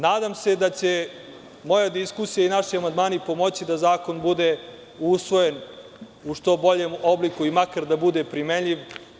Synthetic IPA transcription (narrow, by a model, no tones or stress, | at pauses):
naːd̪amse̞d̪at͡ɕe̞ | mo̞jad̪iskusijainaʃiamand̪maːnipo̞mo̞t͡ɕid̪azaːko̞nbud̪e̞ | usʋo̞je̞n | uʂt̪o̞bo̞ʎemo̞blikuimakaɾd̪abud̪e̞pɾimeʎiʋ